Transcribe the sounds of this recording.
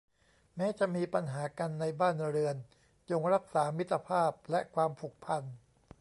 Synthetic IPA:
mɛː˦˥t͡ɕa˨˩ʔmiː˧pa˧nɦaː˩˦ka˧nːa˧jbaː˥˩nɾɯ˧ən | t͡ɕo˧ŋɾa˦˥k̚saː˩˦mi˦˥t̪ʰːa˧pʰaː˥˩p̚lɛ˦˥kʰwaː˧mpʰu˨˩k̚pʰa˧n

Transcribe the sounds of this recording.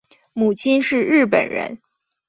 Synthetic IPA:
mu˨˩t͡ɕʰi˥nʂɻ̩˥˧ɻɻ̩˥˩pə̰˨˩nɻə̰˧˥n

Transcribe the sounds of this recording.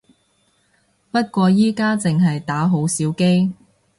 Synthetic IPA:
pɐ˥t̚kʷɔː˧jiː˥kaː˥t͡sɪ˨ŋɦɐ˨jt̪aː˨˥ɦo˨˥wsiː˨˥wke˥j

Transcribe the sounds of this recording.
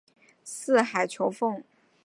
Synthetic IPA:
sɹ̩˥˩xa˨˩ɪt͡ɕʰjo˧˥ʊfʊ˥˩˧ŋ

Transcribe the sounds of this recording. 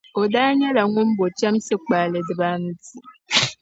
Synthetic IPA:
o˨daː˦ɲa˦la˨ŋʷu˦m̩˦bo˨t͡ʃa˦m̩˦se˦k͡pa˨le˨dɨ˨ba˦n̩˦ti˦

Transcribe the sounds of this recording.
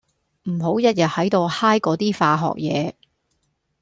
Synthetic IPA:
m̩˨˩ɦo˨˥wjɐ˥t̚jɐ˨t̚hɐ˨˥jt̪o˧whaː˥jkɔː˨˥t̪iː˥faː˧ɦɔ̰ː˨k̚jɛː˨˧

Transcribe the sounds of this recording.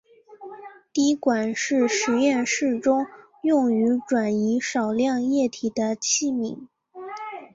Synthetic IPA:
t̪i˧˥kwa˨˩nʂɻ̩˥˩ʂɻ̩˧˥jɛ˥˧nʂɻ̩˥˩ʈ͡ʂʊ˥ŋ | jʊ˥˩ŋy˧˥ʈ͡ʂwa˨˩ni˧˥ʂɑ˨˩ʊljɑ˥˧ŋjɛ˥˩t̪ʰi˨˩d̪ə˦t͡ɕʰi˥˩mi˧˥ŋ

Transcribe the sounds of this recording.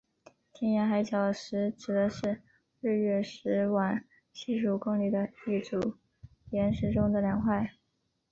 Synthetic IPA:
t̪ʰjɛ˥nja˧˥xa˧˥ɪt͡ɕʰjɑ˨˩ʊʂɻ̩˧˥ʈ͡ʂɻ̩˨˩d̪ə˧˦ʂɻ̩˥˧ | ɻ̩˥˧ɥɛ˥˩ʂɻ̩˧˥wa˨˩n | ɕi˥˧ʂu˨˩kʊ˥˧ŋli˨˩d̪ə˦i˥˩ʈ͡ʂu˨˩ | jɛ˧˥nʂɻ̩˧˥ʈ͡ʂʊ˥ŋd̪ə˨ljɑ˨˩ŋxwa˥˩ɪ

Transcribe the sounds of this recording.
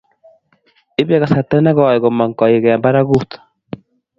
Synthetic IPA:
e˦βa˨ɣa˨sa˨ta˦i˦na˦ɣɔ˨a˨e˨ɣɔ˨ma˨ŋka˨je˨ɣɛ˨a˨mba˦ɾa˦ɣu˦t̪ḁ˨

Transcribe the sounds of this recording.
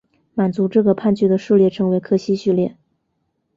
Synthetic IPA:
ma˨˩nt͡su˧˥ʈ͡ʂɤ˥˩ɡə˩pʰa˥˧nt͡ɕy˥˩d̪ə˩ʂɻ̩˥˧ljɛ˥˩ʈ͡ʂʰɤ˧˥ŋwe˧˥ɪkʰɤ˥˧ɕi˥ɕy˥˧ljɛ˥˩

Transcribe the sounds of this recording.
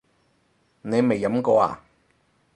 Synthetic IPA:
ne˨˧jme˨jːɐ˨˧˥mkɔː˧a̰ː˨

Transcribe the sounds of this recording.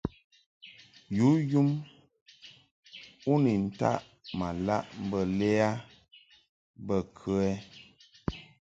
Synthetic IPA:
ju˨˦ju˦m | u˦ni˨n̩˦ta̰˦ʔ | ma˨la̰˦ʔm̩˦bə˦lɛ˦a˦ | bə˦˨kʰə˦ɛ˦

